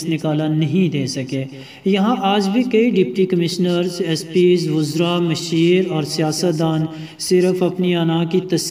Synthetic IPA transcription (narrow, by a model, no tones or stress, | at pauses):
snɪkaːlanɐɦĩd̪eːsɐkeː | jɐɦãʔaːd͡ʒbʱikɐiɖɪpʈikɐmɪʃnəɾzɛspiːzʋʊzɾamɐʃiːɾɔːɾsijaːsət̪̚d̪aːn | sɪɾəfɐpniaːnãkit̪ɐs